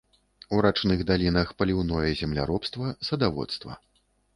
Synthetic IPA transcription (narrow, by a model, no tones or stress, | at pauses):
uɾat͡ʂnɨɣd̪alʲinɐxpɐlʲiwnɔjɛzʲɛmlʲa̰ɾɔpst̪vɐsɐd̪avɔ̰t̪st̪vɐ̰